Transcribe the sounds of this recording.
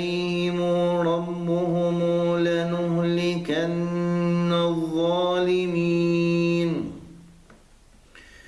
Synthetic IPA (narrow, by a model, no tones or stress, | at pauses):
hɪmʊɾˤɑbːʊhʊmːlanʊhlɪkanː | aðˤːɑːlɪmi | n